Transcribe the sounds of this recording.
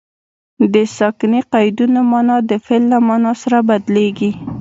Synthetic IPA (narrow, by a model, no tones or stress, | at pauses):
d̪əsɑkneqajd̪unomɑnɑd̪əfelːamɑnɑsaɾabad̪leɡi